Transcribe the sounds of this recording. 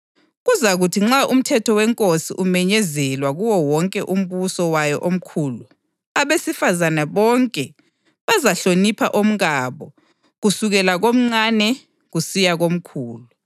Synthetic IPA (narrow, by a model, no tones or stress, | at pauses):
ɣuzaɣutʰiŋ͡ǁaʔum̩tʰɛtʰɔwɛŋkʼosḭʔumɛɲɛzɛlwaɣuwɔwɔŋkʼɛʔum̩βusɔwajɔʔom̩kʰulu | aβesifazanaβɔŋkʼɛ | βazaɬonipʰaʔom̩ɣaβɔ | ɣusuɣɛlaɣom̩ŋ͡ǀanɛ | ɣusijaɣom̩kʰuːlu